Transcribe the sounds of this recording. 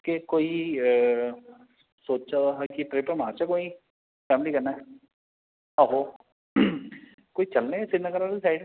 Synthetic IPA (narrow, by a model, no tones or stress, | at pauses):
kekoːi | soːt͡ʃt͡ʃaaɦakiʈɾeːpəɾmãːt͡ʃakoːi | fʰɛːmlikɐɾnaɛ | aɦo | koːit͡ʃɐlnesɪnəɡəɾaɾsaːɪɖ